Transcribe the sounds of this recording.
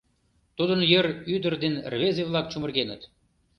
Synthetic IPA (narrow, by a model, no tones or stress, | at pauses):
t̪ud̪ə̆njə̆ɾyd̪ə̆rd̪enrβezeβlˠɑk̚t͡ɕumə̆rɣenə̆t̪